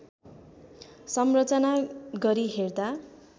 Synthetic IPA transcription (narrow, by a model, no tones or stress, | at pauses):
sʌmrʌt͡sʌnaɡʌɾiɦerd̪a